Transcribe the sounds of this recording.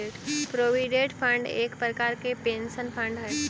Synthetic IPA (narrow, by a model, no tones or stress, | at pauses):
eːʈpɾoːʋiɖeːʈpʰə̃ɳɖḛːkpɾəkaːɾkepeːnʃənpʰə̃ɳɖɦɛː